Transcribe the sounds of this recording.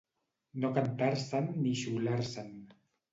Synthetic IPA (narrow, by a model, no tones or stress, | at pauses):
nokant̪aɾsanːiʃulaɾsan